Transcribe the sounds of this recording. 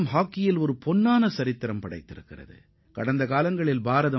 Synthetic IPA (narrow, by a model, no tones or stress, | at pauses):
mɦaːkːɪjɪlɔɾɯpɔnːaːnɐsɐɾɪt̪ːɪɾɐmpɐɽɐɪt̪ːɪɾɯkːɪrɐ̰ðɯ̰ | kɐɽɐnd̪ɐkaːlɐŋɡɐɭɪlbaːɾɐðɐ